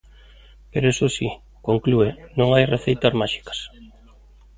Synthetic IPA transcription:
peɾoesosi | koŋkluenõŋajreθejt̪ɐzmaʃi̥kḁs

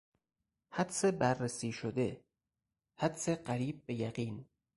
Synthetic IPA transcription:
hæd̪sebæɾːesiːʃod̪e̞ | hæd̪seɢæɾiːb̚ːe̞jæɢiːn

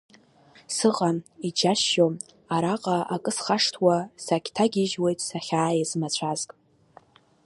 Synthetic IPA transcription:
sɨʁʼamid͡ʒaʃːo | aɾaqʼaakʼɨsχaʂtʰwasakʲʰtʰaɡʲiʒwe̞jtʼsaχʲaːjazmat͡ɕʷʰazkʼ

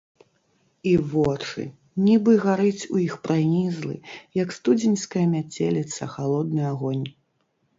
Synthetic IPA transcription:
ivɔt͡ʂɨ̰ | nʲibɨɣaɾɨt͡sʲujixpɾanʲizlˠɨ̰jɐkst̪ud͡zʲinʲskɐjɐmʲat͡sʲelʲit̪sɐ̰xalˠɔd̪nɨaɣɔnʲ

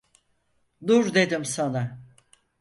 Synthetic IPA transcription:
d̪uɾd̪e̞d̪imsana

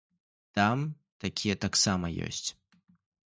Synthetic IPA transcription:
t̪am | t̪akʲʰijɐt̪aksamɐjɔ̰sʲt͡sʲ

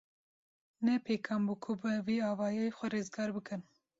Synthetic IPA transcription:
nɛpʰeːkʰɑːmbukʰʊbɨviɑːvɑːjejxʷɛɾeːzɡɑːɾbɨkɨn

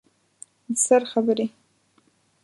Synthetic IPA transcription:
dsɨrχabɨɾi

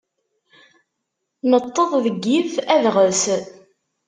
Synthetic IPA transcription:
nət̪ˤːəðˤðəɡːiθæðʁəs

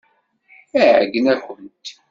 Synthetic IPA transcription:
æʕəɡənækʷənt̪

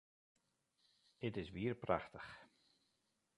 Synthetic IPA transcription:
ɪtɪsʋiərpra̰xtəx

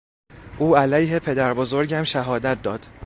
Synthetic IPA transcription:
ʔuːælæːjɦe̞pʰe̞d̪æɾbozo̞ɾɟæmʃæɦɒːd̪æt̪̚d̪ɒːd̪̥

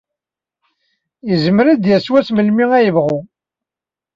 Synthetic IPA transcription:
jəzəmɾæd̪jæswæt͡sməlmiŋæjəvʁu

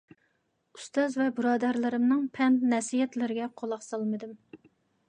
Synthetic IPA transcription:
u̥st̪ɑzvɛbɨɾɑːd̪ɑɾlˠɨɾɪmnɨŋpʰɛnt̪nɛsijɛt̪lɪɾɪɡʲɛqʰolˠɑχsɑlˠmɨd̪ɨm

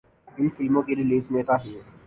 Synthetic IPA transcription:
ɪnfɪlmõːkeɾɪliːsmẽːt̪aɦɛː

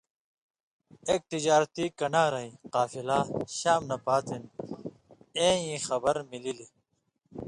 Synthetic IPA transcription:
eːk̚t̪id͡ʑaːɾt̪ikɐnaːɾɐĩqaːfilaːɕaːmnɐpaːt̪ʰin | ẽːĩːxɐbɐɾmilili

